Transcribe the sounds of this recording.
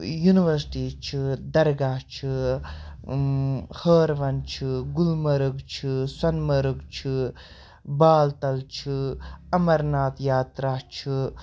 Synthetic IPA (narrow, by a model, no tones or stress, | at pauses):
juniʋɐɾsi̥ʈiːt͡ʃʰɨd̪ɐɾɡaːt͡ʃʰɨ | həːɾʋɐnt͡ʃʰɨɡulmɐɾɨɡt͡ʃʰɨswɐnmɐɾɨɡt͡ʃʰɨ | baːlt̪ɐlt͡ʃʰɨɐmɐɾnaːt̪jaːt̪ɾaːt͡ʃʰɨ